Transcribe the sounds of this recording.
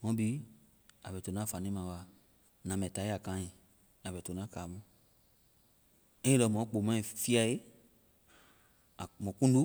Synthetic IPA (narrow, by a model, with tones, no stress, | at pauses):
mɔ̃˨˦bi˦ | a˨bɛ˨to˨nã˦fa˨nĩ˦mã˨wa˨ | nã˨mɛ˨ta˨˦ja˨kã˨˦ɲĩ˨ | a˨bɛ˨to˨nã˦ka˨mũ˦ | ɛ˦i˦lɔ˨mɔ̃˨˦k͡po˨mã˦˨fi˦a˨je˦˨ | mɔ˨kũ˦n˦u˦